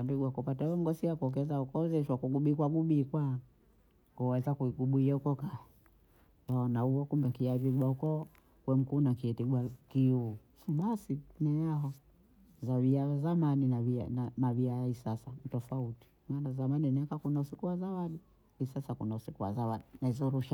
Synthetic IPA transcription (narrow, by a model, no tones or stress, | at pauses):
wanduɡuwakupatawɛm̩ɡɔsiakuɔkɛzaukɔzɛʃwakuɡuɓiːkwaɡuɓikwa | kuwɛzakuiɡuɓuijaukɔkaɛ | waɔnahuwɔkumbɛkiaviɡwaukɔ | kwɛm̩kunakiɛtiɡwakiu | ɓasinɛjaɦɔ | zaviaazamaninaviananaviajaisasantɔfauti̥manazamaninɛkakunausikuwazawaɗi | isasakunausikuwa̰zawaɗinaizɔɾuʃa